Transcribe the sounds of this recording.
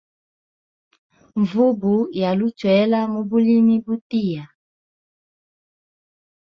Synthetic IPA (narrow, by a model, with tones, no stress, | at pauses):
ɱvu˦bu˨˦ja˨lu˦t͡ʃwɛ˨˦la˦mu˦bu˦li˦mi˦bu˦ti˦˨ja˨